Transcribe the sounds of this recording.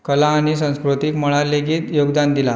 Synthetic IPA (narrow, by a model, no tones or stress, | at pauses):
kəlaːɽ̃isə̃w̃skɾut̪ikməɭaɾleɡiːt̪joɡd̪and̪ila